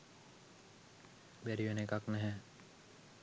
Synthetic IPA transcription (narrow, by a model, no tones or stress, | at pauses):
bɛɾiʋenekaknɛɦɛ̃